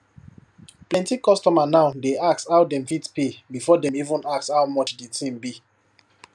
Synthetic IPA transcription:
plɛ̃ntikɔstɔmanaʊdeakshawdɛ̃mfitpebifɔdɛ̃mivũnakshawmɔt͡ʃdetʰĩmbi

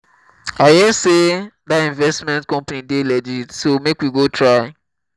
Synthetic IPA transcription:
ajɛsedatĩnvɛstmɛ̃ntkɔ̃mpanidelɛd͡ʒidsomekwiɡotʰɹaɪ

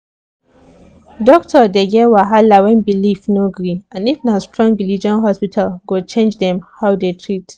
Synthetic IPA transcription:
dɔk̚tʰɔdeɡɛwaɦalawɛ̃nbilifnoɡɹiãnifnastɹɔ̃ŋɡɹilid͡ʒɔ̃nɦɔspitʰalɡot͡ʃẽnd͡ʒdɛ̃mhaʊdetʰɹit

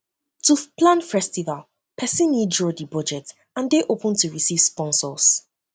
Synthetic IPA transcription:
tʰuplãnfɛstival | pʰɛsĩnːidɹɔdibɔd͡ʒɛt | ãndeʔopə̃ntʰuɹisiv̥spɔ̃nsɔs

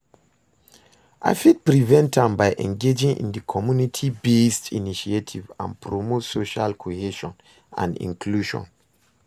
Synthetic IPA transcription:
ʔa̰ɪfid̚pɹivɛ̃ntʰãmbaɪʔɛ̰̃nɡed͡ʒĩŋʔḭ̃ndikʰɔmjunitʰibestḭniʃietʰivã̰npʰɹomosoʃalkʰoheʃɔ̃n | ã̰nḭ̃ŋkʰluʒɔ̰̃n

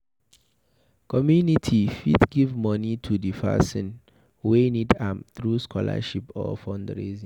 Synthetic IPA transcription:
kʰɔmjunitʰifḭdɡivmɔnitʰudifa̰sĩn | wenidãmθɹuskʰɔla̰ʃipɔ̰fɔ̃ndɹezĩ

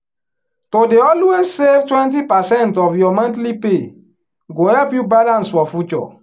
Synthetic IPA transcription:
todeɔlwezsevtwɛ̃nt̬ipasɛ̃ntɔfjɔmãntlipe | ɡohɛlpjubalãnsfɔfjut͡ʃɔ̰

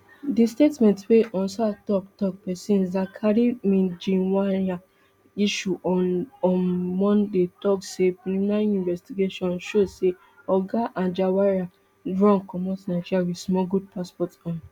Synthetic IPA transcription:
distetmɛ̃ntweʔɔ̃nsatɔktɔk̚pɛsĩnzakʰaɾimĩnd͡ʒĩwaa | iʃuʔɔ̃ɔ̃nmɔ̃ndetɔksepilimĩnaɾiũnvɛstiɡeʃɔ̃nʃose | ɔɡaʔãnd͡ʒawaɾa | dɹɔ̃ŋkɔmɔtnaɪd͡ʒiɾjawismɔɡud̚paspɔtɔ̃n

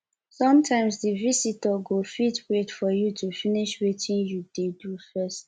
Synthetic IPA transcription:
sɔ̃mtʰãɪ̃msdivisitɔɡofitbedfɔjutʰufiniʃwetʰĩnjudedufɜst

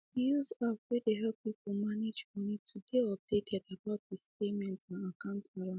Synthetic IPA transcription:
uzavwɛdeɦɛlpip̩maned͡ʒmɔnitʰudeɔp̚d̥etʰɛdabaʊt̚ðispemɛ̃ntsãnakãʊ̃ntb̥alã

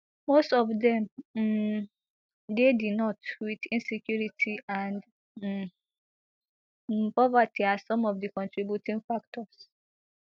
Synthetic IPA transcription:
mostɔvdɛ̃m | dedinɔtwidĩnsɛkjuɹitʰiʔãnd | pɔvatʰiasɔ̃mɔvdikɔ̃ntɹibjutĩŋɡfak̚tɔs

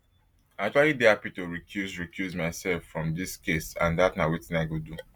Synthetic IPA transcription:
ak̚t͡ʃualidiapitoɹikʰjuzɹikjuzmaɪsɛlfɹɔ̃mdiskesã̰ndatnawetĩnaɪɡodu

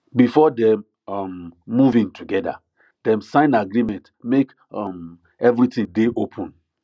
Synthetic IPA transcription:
bifɔdɛm | ʌmːuvĩŋtʰuɡɛda̰ | d̥ɛ̃msãɪ̃naɡɾimɛ̃nt | mek | ɔm | ɛvɹitĩŋdeʔopʰɔ̃n

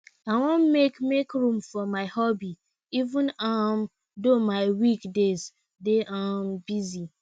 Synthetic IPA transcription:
awɔ̃nmekmekɹũmfɔmaɪhɔbi | ivũnam | domaɪwikdez | deʔãmbizi

